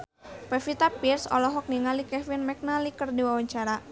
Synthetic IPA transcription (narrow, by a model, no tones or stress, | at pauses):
pɛfit̪apirsɔ̰lɔɦɔk̚niŋalikɛfinmɛk̚nalikərdiwawaɲt͡ʃaɾa